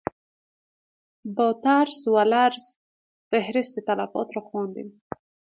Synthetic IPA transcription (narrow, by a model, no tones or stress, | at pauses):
bɔt̪aɾswalaɾz | fehɾɪst̪et̪alafɔ̰t̪ɾɔxwɑnd̪ḭm